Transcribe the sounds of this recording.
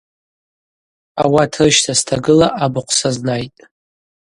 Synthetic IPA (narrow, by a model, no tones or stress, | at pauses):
awatʰrɨʃtʰastʰaɡɨlaʔabɨqʷʰsaznajtʼ